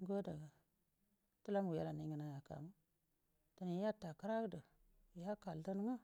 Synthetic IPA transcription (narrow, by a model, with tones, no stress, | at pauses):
ɡo˦da˨ɡa˨ | tu˦la˦m˨u˨ja˦la˨ni˨˦ə˨na˦ja˨ka̰˨mu˦ | ta˨ni˨˦ja˦ta˨ka˦ɾa˦kdə˨ | ja˦ka˨ldə˦nu˦ŋa˦